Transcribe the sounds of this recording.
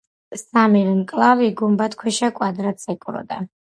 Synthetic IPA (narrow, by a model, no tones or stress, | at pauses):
samivɛmkʼlˠaviɡumbat̪kʰwɛʃakʼwad̪ɾat̪sɛkʼuɾɔ̰d̪a̰